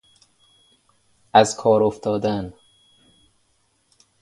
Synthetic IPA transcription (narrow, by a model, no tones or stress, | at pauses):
ʔæzkʰɒːɾoft̪ʰɒːd̪æn